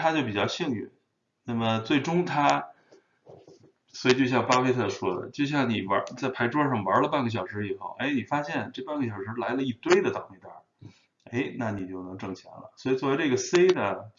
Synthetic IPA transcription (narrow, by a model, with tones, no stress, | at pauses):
tʰa˥t͡ɕjo˥˧ʊpi˨˩t͡ɕjɑ˥˧ɕi˥˧ŋy˥˩˦ | na˥˩mə˩t͡swe˥˩ɪʈ͡ʂʊ˥ŋt̪ʰa˥ | swɔ˧˥i˨˩t͡ɕjo˥˧ɕjɑ˥˩ŋpa˥fʰe˥ɪt̪ʰɤ˥˩ʂwɔ˥d̪ə̰˨˩t͡ɕjo˥˧ʊɕ̬jɑ˥˩ŋni˨˩wɐ˧˥t͡sa˥˩ɪpʰa˧˥ɪʈ͡ʂwɔ˥ʂɑ˥˩ŋwɐ˞˧˥lə˧pa˥˩nɡə˩ɕ̬jɑ˨˩ʊʂɻ̩˧˥i˨˩xo˥˩ʊʔe˥ɪni˨˩fa˥ɕjɛ˥˧nʈ͡ʂɤ˥˧pa˥˩nɡə˩ɕjɑ˨˩ʊʂɻ̩˧˥la˧˥ɪlə˧i˥˩t̪we˥˧ɪd̪ə˨t̪ɑ˥˨˩ŋme˥˧˩t̪a̰˥˧˩ | e˧˥ɪna˥˩ni˨˩t͡ɕjo˥˩ʊnɤ˧˥ŋʈ͡ʂɤ˥˩ŋt͡ɕʰjɑ̰˧˥ŋlə̰˧swɔ˧˥i˨˩t͡swɔ˥˩we˧˥ɪʈ͡ʂɤ˥˩ɡə˩se˥ɪd̪ə˨